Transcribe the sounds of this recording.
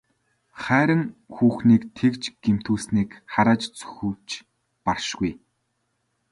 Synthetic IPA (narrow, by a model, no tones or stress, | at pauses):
χæːɾə̆ŋxuːxniːkt̪ʰekt͡ɕɡ̥em̥t̪ʰuːɮsniːkχaɾaːt͡ɕt͡sɵ̥xɵ̆wt͡ɕ | parʃɡuj